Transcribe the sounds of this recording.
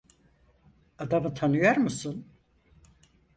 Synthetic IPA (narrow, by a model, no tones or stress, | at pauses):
ad̪amɯt̪ʰanɯjoɾmusun